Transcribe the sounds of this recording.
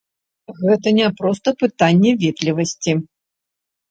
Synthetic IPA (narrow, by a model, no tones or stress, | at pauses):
ɣɛt̪ɐnʲapɾɔst̪ɐpɨt̪anʲːɛvʲit̪lʲivɐsʲt͡sʲi